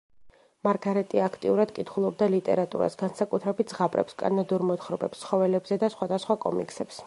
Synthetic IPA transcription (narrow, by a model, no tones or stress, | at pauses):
maɾɡaɾɛt̪ʼiakʰt̪ʼiuɾad̪kʼit̪ʰχulˠɔb̚d̪alit̪ʼɛ̰ɾat̪ʼṵɾa̰sɡansakʼut̪ʰɾɛbit̪̚ʰzʁapʼɾɛ̰pskʼa̰nad̪uɾmɔt̪χɾɔbɛpstsʰχɔvɛlɛbzɛd̪asχwad̪asχwakʼɔ̰mḭkʼsɛps